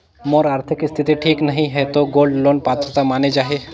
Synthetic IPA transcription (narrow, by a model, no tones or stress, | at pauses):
moːɾaːɾt̪ʰɪkɪst̪ʰɪt̪iʈʰiːknɐɦĩɦɛt̪oɡoːlɖloːnpaːt̪ɾət̪amaːned͡ʒaːɦieː